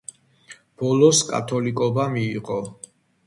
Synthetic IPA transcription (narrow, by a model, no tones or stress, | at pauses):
b̥ɔlɔskʼa̰t̪ʰɔlikʼɔbamiːqʼɔ